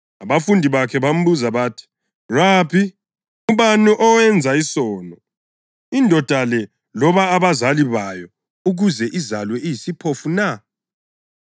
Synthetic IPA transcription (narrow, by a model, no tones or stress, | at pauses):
aβafundʱiβakʰɛβam̩βuzaβaːtʰi̥ | raːpʰi | uβanuʔɔwɛnd͡zʱaisɔːnɔ | indʱɔd̥ʱalɛ | lɔβaːβazaliβajɔ | uɣuzɛʔizalwɛʔijisipʰofuna